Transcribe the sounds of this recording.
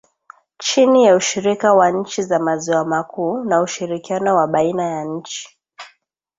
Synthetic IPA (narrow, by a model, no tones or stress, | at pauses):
t͡ʃinijauʃiɾikawaɲ̩t͡ʃizamaziwamakuːnauʃiɾikianɔwaɓainajaɲ̩t͡ʃi̥